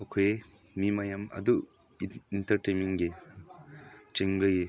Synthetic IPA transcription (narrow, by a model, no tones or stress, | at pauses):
okʰoje | mimɐjɐmɐ̰d̪u | intɐɾʈemiŋɡe | t͡ʃeŋɡlɯɡe